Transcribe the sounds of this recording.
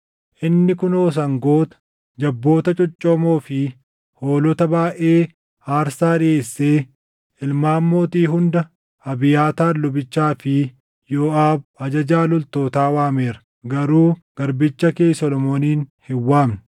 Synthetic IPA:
ʔɪnːɪkʊnoːs̬ɐŋɡoːt̪ɐ̥ | d͡ʒɐbːo̞ːt̪ɐt͡ʃʼʊt͡ʃʼːoːmoːfɪ | hoːlɔt̪ɐbaːʔeː | aːɾsaːᶑɪeːsːe̞ː | ɪlmaːmːo̞ːt̪iːɦʊnd̪ɐ | ɐbɪjaːt̪aːlʊbɪt͡ʃːaːfɪ | joːʔaːbɐd͡ʒɐd͡ʒaːlʊlt̪o̞ːt̪aːwaːme̞ːɾɐ̥ | ɡɐɾuːɡ̥ɐɾbɪt͡ʃːɐke̞ːsɔlɔmoːniːnhɪwːaːmnɪ

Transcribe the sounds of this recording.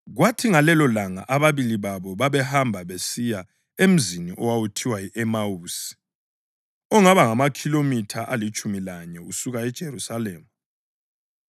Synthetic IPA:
ɣwatʰiŋalɛlɔlaŋa̰ʔaβaβiliβaβɔβaβɛhambʱaβesija | em̩ziniʔɔwawutʰiwaiʔɛmawuːsi̥ | ɔŋaβaŋamakʰilomitʰaʔalit͡ʃʼumilaɲɛusuɣaɛd̥ʒ̥ʱeɾusaleːmu

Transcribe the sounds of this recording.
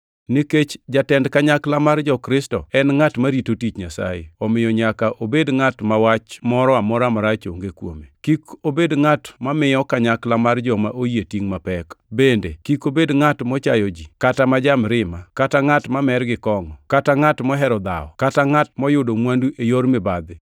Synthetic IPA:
niket͡ʃd͡ʒatɛndkaɲaklamard͡ʒɔkɾɪstɔɛnŋatmaɾitotit͡ʃɲasa̰jḛɔmɪjɔɲakaʔobedŋatmawat͡ʃmɔɾɔamɔɾamaɾat͡ʃo̰ŋɡekwo̰mekikobedŋatmamɪjɔkaɲaklamard͡ʒɔmaʔojetiŋmapɛkbendekikobedŋatmɔt͡ʃajɔd͡ʒikatamad͡ʒamɾɪmakataŋatmamɛrɡɪkɔŋɔkataŋatmɔɦɛɾɔd̪a̰ɔ̰kataŋatmɔjʊdomwanduʔejoɾmɪbad̪ɪ

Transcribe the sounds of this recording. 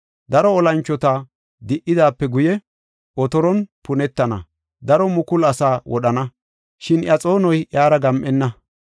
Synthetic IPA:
d̪ɐɾɔːlɐnt͡ʃːɔt̪a | d̪ɪʔːɪd̪aːpːɛɡʊjɛ | ʔɔt̪ɔɾɔnpʊnɛt̪ːɐnɐ̰ | d̪ɐɾɔmʊkʊlɐsaːwɔ̰ɗɐnɐ | ʃɪnʔjɐt͡sʼo̞ːnɔjʔjaːɾɐɡɐmʔɛnːɐ

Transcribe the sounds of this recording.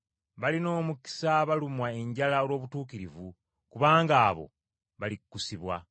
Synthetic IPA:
βalino̞ːmuki̥saβalumwae̞ɲɟalaolwo̞ːβutuːkiɾivu | kuβaːŋɡaːβo̞̰ | βalikːusiβwa̰

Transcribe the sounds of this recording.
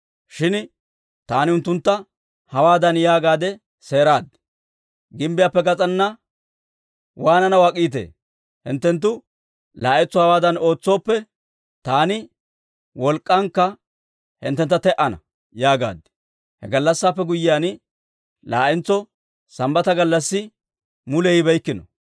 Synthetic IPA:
ʃɪn | t̪aːnɪʊnt̪ːʊnt̪ːɐ | hɐwaːd̪ɐnjaːɡaːd̪ɛ | se̞ːɾaːd̪ | ɡɪmbɪjaːpːɛɡɐt͡sʼɐnːɐ | waːnɐnɐwaːkʼiːt̪ḛː | hɪ̰nt̪ːɛnt̪̬ːʊ | laːʔɛt͡sːɔhɐwaːd̪ɐno̞ːt͡sːo̞ːpːɛ | t̪aːnɪ | wɔlkʼːɐŋkːɐ | hɪ̰nt̪ːɛnt̪ːɐt̪ɛʔɐnɐ̰ | jaːɡa̰ːd̪ɛ̥ | hɛ̰ɡɐlːɐsːaːpːɛɡʊjːɪjaːn | la̰ːʔɛnt͡sːɔ | sɐmbɐt̪ɐɡɐlːɐsːɪ | mʊlɛjɪbɛjkːɪnɔ̰

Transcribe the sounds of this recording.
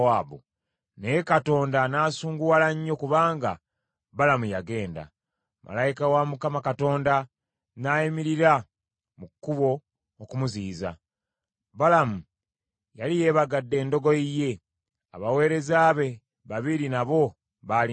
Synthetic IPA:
waːβo̰ | nejekato̞ːndanaːsuːŋɡuwalaɲːo̞kuβaːŋɡa̰ | βalamujaɡe̞ːnda̰ | mʔa̰lajikawamukamakato̞ːnda | naːjimiɾiɾa | mukːuβo̞ː | kumuziːza̰ | balamu | jalije̞ːβaɡadːe̞ːndo̞ɡo̞ije̞ | a̰βawe̞ːɾe̞zaːβe̞ | βaβiɾinaβo̞ | βal

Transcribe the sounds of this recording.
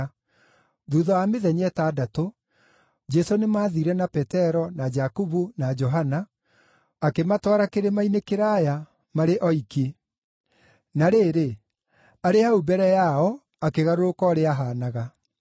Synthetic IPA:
ðuðɔameðɛɲɛtaːdato | d͡ʒɛsonemaːðiɾɛnapɛtɛɾɔnad͡ʒakuβunad͡ʒɔɦanaː | kematwaɾakeɾemainekeɾaja | maɾeʔɔike | naɾeːɾe | aɾeaubɛɾɛjaɔ | akeɣaɾoɾokɔɾeaɦaːnaɣa

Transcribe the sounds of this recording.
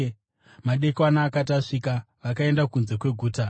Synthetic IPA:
maɗe̞kwanaːkataʂika | ʋakae̞ndakunze̞kwe̞ɡʱuːta

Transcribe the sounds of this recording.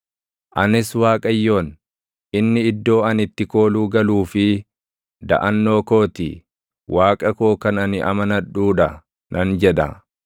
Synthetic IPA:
ʔɐnɪswaːkʼɐjːo̞ːn | ʔɪnːɪɪd̪ːo̞ːɐnɪt̪ːɪko̞ːluːɡɐluːfɪ | d̪ɐ̰ʔɐnːo̞ːko̞ːt̪ɪ̰ | wʔaːkʼɐkoːkɐnɐnɪʔɐ̰mɐnɐᶑuːᶑɐ | nʔɐnd͡ʒɛᶑɐ̰

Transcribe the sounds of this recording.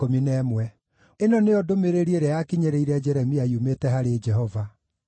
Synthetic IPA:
ominɛmwɛ | enɔneɔdomeɾeɾieɾajakiɲeɾeiɾɛd͡ʒɛɾɛmiaiumetɛɦaɾed͡ʒɛɦɔva

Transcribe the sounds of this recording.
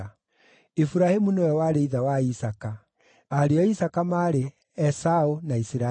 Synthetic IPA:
efuɾahemunowɛwaɾeiðawaisaka | aɾeɔisakamaɾe | ɛsaonaisiɾa

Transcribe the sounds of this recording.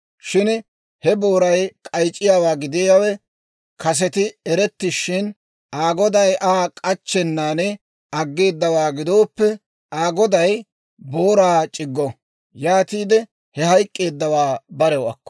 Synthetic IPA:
ʃɪn | hɛbo̞ːɾɐjkʼɐjt͡ʃʼːɪjaːwaːɡɪd̪ɪjɐwɛ | kɐs̬ɛt̪ɪɛɾɛt̪ːɪʃɪn | aːɡɔd̪ɐjʔaːkʼɐt͡ʃːɛnːaːnɛ | ɐɡːe̞ːd̪ːɐwaːɡɪd̪o̞ːpːɛ | aːɡɔd̪ɐj | bo̞ːɾaːt͡ʃʼɪɡːɔ | jaːt̪iːd̪ɛ | hɛhɐjkʼːe̞ːd̪ːɐwaːbɐɾɛwɐkːɔ̥

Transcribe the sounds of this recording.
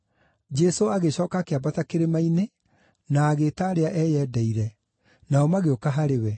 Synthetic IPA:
d͡ʒɛsoaɣeɕɔːkakeabatakeɾemaine | naːɣetaɾeaʔɛjɛːdɛiɾɛ | naɔmaɣeokaɦaɾewɛ

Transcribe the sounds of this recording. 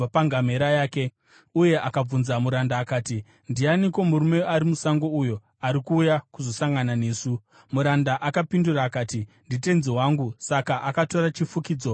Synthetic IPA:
apaŋɡameɾajaːke | uje̞ʔakab͡vunzamuɾandaːkaːti | ndianikwo̞muɾume̞aɾimusaŋɡo̞ujo̞ | aɾikuːjakuzo̞saŋɡanane̞ːsu | muɾandaʔakapinduraːkaːtindite̞nzewaːŋɡusakaʔakato̞ɾat͡ʃifukiːd͡zo̞

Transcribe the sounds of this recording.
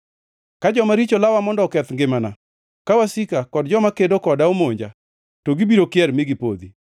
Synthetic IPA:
kad͡ʒɔmaɾit͡ʃolawamɔndɔkɛt̪ŋɡɪmana | kawasikakɔdd͡ʒɔmakedokɔdaomoɲd͡ʒa̰ | toɡibiɾokɪjɛɾmɪɡipod̪i

